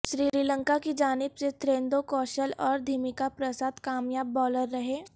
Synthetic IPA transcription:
ʃɾiːɾiːlə̃ŋkakid͡ʒaːnɪbset̪ɾẽːnd̪okɔːʃəlɔːɾd̪ʱiːmikapɾəsaːd̪kaːmjaːbːɔːləɾːɐɦeː

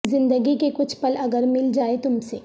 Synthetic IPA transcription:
zɪ̃nd̪əɡikekʊt͡ʃʰpɐlɐɡəɾmɪld͡ʒaːet̪ʊmseː

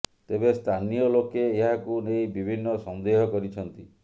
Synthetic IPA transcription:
t̪ebest̪ʰanijɔlokeːɦakuneibibʱinːɔsɔnd̪eɦɔkɔɾit͡ʃʰɔnt̪i

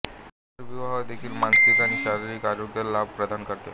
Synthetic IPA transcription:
əɾʋiʋaɦad̪ekʰiːlmansikaɽ̃iɕaɾiɾiːkaɾoɡjəlab̚pɾəd̪ʱankəɾt̪ḛ

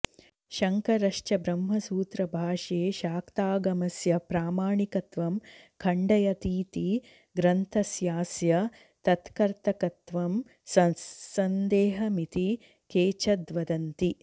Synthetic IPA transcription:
ʃɐŋkɐɾɐʂt͡ʃɐbɾɐmɦɐsuːt̪ɾɐbʱaːʂeːʃaːkt̪aːɡɐmɐsjɐpɾaːmaːɳikɐt̪ʋɐmkʰɐɳɖɐjɐt̪iːt̪i | ɡɾɐnt̪ɐsjaːsjɐ | t̪ɐt̪kɐɾt̪ɐkɐt̪ʋɐm | sɐsɐnd̪eːɦɐmit̪i | keːt͡ʃɐd̪ʋɐd̪ɐnt̪i

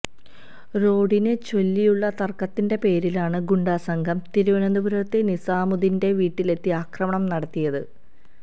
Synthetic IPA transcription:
ro̞ːɽinet͡ɕo̞lːijuɭːɐt̪ɐrkɐt̪ːinde̞pe̞ːɾilaːɳɨɡuɳɖaːsɐŋɡʱɐmt̪iɾuʋɐnɐnd̪ubuɾɐt̪ːenisaːmuðinde̞ʋiːʈːile̞t̪ːiaːkrɐmɐɳɐmnɐɽɐt̪ːijɐðɨ

